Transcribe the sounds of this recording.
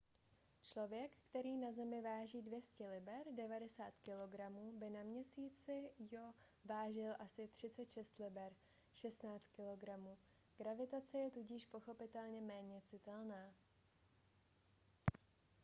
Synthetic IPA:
t͡ʃlo̞vjɛkkt̪ɛɾiːnazɛmɪvaːʒiːdvjɛscɛlɪbɛɾdɛvadɛsaːt̪kɪlo̞ɡɾamuːbɪnamɲɛsiːt͡sɪjo | vaːʒɪlʔasɪt̪r̝̥ɪt͡sɛt̪ʃɛst̪lɪbɛɾ | ʃɛst̪naːt͡st̪̚kɪlo̞ɡɾamuː | ɡ̥ɾavɪt̪at͡sɛjɛt̪uɟɪʃpo̞xo̞pɪt̪ɛlɲɛmɛːɲɛt͡sɪt̪ɛlnaː

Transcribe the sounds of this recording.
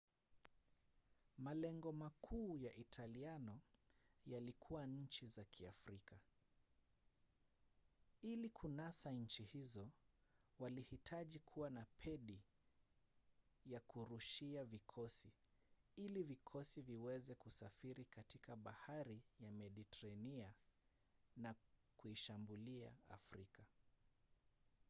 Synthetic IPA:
malɛŋɡɔmakʰuːjaʔitʰalianɔjalikʰuwaɲ̩t͡ʃizakʰia̰fɾika | ilikʰunasaɲ̩t͡ʃihizɔ | walihitʰaʄikʰuwanapʰɛɗi | jakuɾuʃiavikʰɔsi | ilivikʰɔsiviwɛzɛkusafiɾikatikaɓahaɾijamɛɗitɛɾania | nakuiʃambulia̰a̰fɾika

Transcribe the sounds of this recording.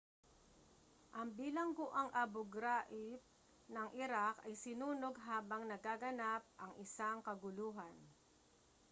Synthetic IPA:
ʔɐŋbiːlɐŋɡʊʔaŋʔɐbʊɡɾaʔɪp̚ | nɐŋʔɪɾakɐjsɪnuːnoɡɦaːbɐŋnɐɡaːɡɐnap̚ʔɐŋʔɪsaŋkɐɡʊluːɦɐn

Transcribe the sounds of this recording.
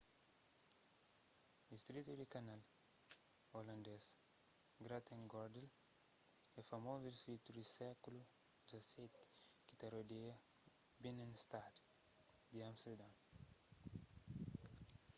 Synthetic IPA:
ist̪ɾit̪ud̪ikanal | olɐ̃nd̪ɛs | ɡɾat̪ẽŋɡɔɾd̪el | ɛfamoveɾsit̪udisɛkulud͡ʒaset̪kit̪aɾod̪eɐbinenst̪ad̪id̪iãmsed̪ã

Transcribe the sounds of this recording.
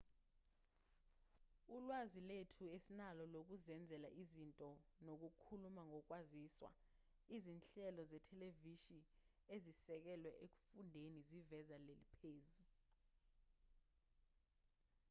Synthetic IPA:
ulwaziletʰuesinalɔlok̬uzɛnd͡zʱɛla̰ʔizintʼɔnok̬ukʰulumaŋɔk̬waziswa̰ | izinɬɛlɔzɛtʰɛleviʃi | ezisɛk̬ɛlwɛʔek̬u̥fundʱenizivɛzalelipʰeːzu

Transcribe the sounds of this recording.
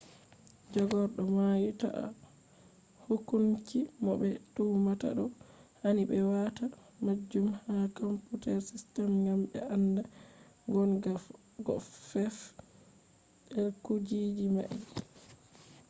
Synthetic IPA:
d͡ʒɔɡɔɾɗɔmajita̰ʔa̰ | hukunkimɔɓɛtuːmata̰ɗɔhaniɓɛwatamad͡ʒːumhakomputɛɾsistɛmŋɡamɓɛ̰anda | ɡɔnɡ | ɡɔ̰fɛf | ɗɛlkud͡ʒid͡ʒima̰ʔi

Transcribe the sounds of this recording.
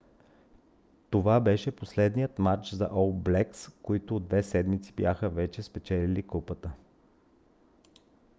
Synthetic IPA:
t̪ovabɛʃɛposlɛd̪nijət̪mat͡ʃzɐ̰ʔɔlˠblɛkskoit̪ʊːd̪vɛsɛd̪mit̪si̥bjaxəvɛt͡ʃɛspɛt͡ʃɛlilikupət̪ə

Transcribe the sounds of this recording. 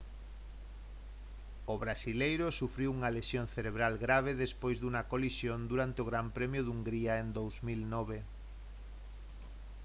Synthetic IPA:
ʊβɾasilejɾʊsufɾiwuŋalesjon̟θeɾeβ̞ɾalɣɾaβ̞eðespojzðuŋɐkolisjond̪uɾant̪eoɣ̞ɾampɾɛmjʊðuŋɡɾiaend̪owzmilnɔβ̞e

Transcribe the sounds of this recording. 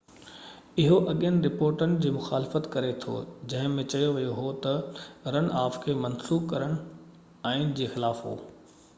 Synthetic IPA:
ɪɦoʔɐɠjənɪ̆ɾɪpoːɾʈənɪ̆d͡ʑiːmʊxaːlɪfət̪kɐɾet̪ʰo̰d͡ʑɐ̃ɦɪ̃mẽt͡ɕɐjoʋijoɦot̪ɐɾɐñaːfkʰeːmɐnsuːbkɐɾəɽ̃ʊ | aːɪnɪd͡ʑeːxɪlaːfɦo̰ː

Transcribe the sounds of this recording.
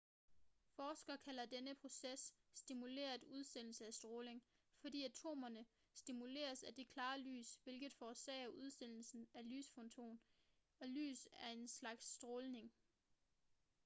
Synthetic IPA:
fɒːsɡ̥ɐkʰæl̰ɐd̥enəpʰʁo̝sesː | d̥imule̝̰ːɐuð̞ˠsen̰l̩səæsd̥ʁɔːle̝ŋ | fɒ̽d̥ḭːæt͡sʰo̝̰ːmɐnə | sd̥imule̝̰ːɐsæd̥e̝kʰlɑ̈ːly̰ːsʋe̝lɡ̥ð̩ˠfɒːsɛ̰ɪɐʔuð̞ˠsen̰l̩sn̩æly̰ːsfɔnt͡sʰo̝̰ːn | ɒ̽ly̰ːsæɐe̝nslɑ̈ɡ̥sːd̥ʁɔːlne̝ŋ

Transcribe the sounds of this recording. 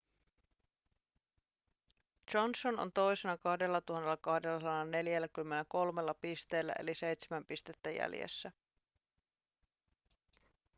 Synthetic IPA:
d͡ʒonsono̰nt̪o̞jse̞nɑkɑhde̞lːɑt̪uɦɑnːe̞lːɑkɑhde̞lːɑsɑnːɑne̞ljælːækymːe̞nːæko̞lme̞lːɑpist̪e̞ːlːæ̰ʔḛlise̞jt̪semæmpist̪e̞t̪ːæjæ̰ljḛsːæ

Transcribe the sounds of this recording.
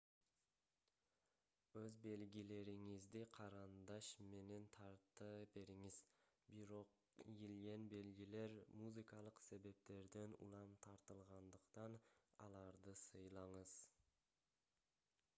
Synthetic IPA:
wɵzbe̞lɡʲile̞ɾɪŋɪzd̪eqʰɑɾɑnd̪ɑʃme̞ne̞nt̪ʰɑɾt̪ːəbe̞ɾɪŋɪz̥ | bɪɾo̞q | jelɡʲe̞nbe̞lɡʲile̞ɾmuzɨkɑlˠəqse̞be̞p̚t̪e̞ɾd̪e̞nṵlˠɑmt̪ʰɑɾt̪əlˠʁɑnd̪əqt̪ɑnɑ̰lˠɑɾd̪əsəjlˠɑɴəz̥

